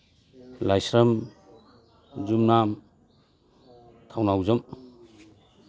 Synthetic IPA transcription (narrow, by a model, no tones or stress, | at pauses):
lajsɾam | zumna | t̪ʰawnawzɔm